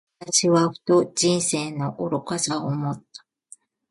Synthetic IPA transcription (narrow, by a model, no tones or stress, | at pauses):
aaɕiβaɸɯ̟̥t̪od͡ʑĩɰ̃se̞ːno̞ʔoɾokasaomo̞t̪ːḁ